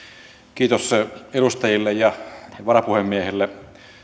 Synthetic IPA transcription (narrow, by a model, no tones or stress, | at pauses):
kiːt̪oseɾust̪ɑjilːejjɑʋɑrɑpuhemːiehelːe